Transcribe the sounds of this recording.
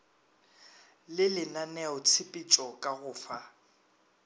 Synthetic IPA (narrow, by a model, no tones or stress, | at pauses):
lɪlɪnanɛʊt͡sʰɪpʼit͡ʃʼɔkʼaɣʊːfa